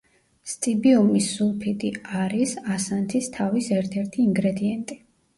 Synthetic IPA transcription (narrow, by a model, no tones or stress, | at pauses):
st̪sʼibiɔmisːulˠpʰid̪ʼiaɾisasant̪ʰist̪ʰavisɛɾt̪ʰɛɾt̪ʰiːŋɡɾɛd̪iɛnt̪ʼi